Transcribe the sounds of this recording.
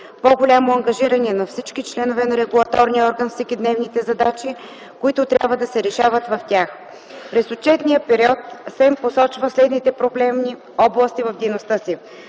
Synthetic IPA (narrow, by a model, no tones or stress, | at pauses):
poɡolʲamoɐŋɡɐʒiɾɐnɛɛnɐfsit͡ʃkit͡ʃlɛnovɛnɐɾɛɡulˠɐt̪ɔɾniəɔɾɡənfsikid̪nɛvnit̪ɛzɐd̪at͡ʃi | koit̪ʊt̪ɾʲa̰bvəd̪ɐsɛɾɛʃavət̪vɐft̪ʲax | pɾɛsot͡ʃɛt̪nijəpɛɾiɔt̪sɛmposɔt͡ʃvəslɛd̪nit̪ɛpɾoblɛmni | ɔblˠəst̪ivɐvd̪əjnost̪ɤsi